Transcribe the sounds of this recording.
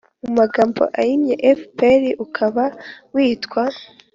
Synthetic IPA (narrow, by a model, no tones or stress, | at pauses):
umaɡaːmbo̞̰ʔaɾimɲeʔefpeɾiʔukʰaβawiːtkwa